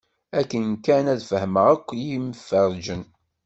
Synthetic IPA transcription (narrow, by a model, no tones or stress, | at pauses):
ækːənkænæðfəhməʁəkʷːjiməfəɾˤd͡ʒən